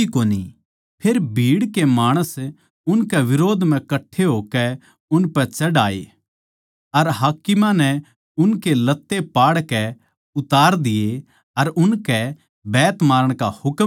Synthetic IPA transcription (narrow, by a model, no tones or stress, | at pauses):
ikoːnḭ | pʰeːɾbʱiːɽkemaːɽ̃əs | ʊnkɛʋɪɾoːd̪ʱm̤ɛ̃kɐʈʰːeɦoːkɛ | ʊnpɛ̃t͡ʃɐɽaːḛ | ɐɾɦaːkɪmãnɛ | ʊnkelɐt̪ːepaːɽkɛ | ʊt̪aːɾd̪ɪje | ɐɾʊnkɛ | bɛːt̪maːɾəɽ̃kahʊk